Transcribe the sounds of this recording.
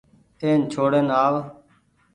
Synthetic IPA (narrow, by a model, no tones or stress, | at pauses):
eːnt͡ʃʰoːɽenaːʋ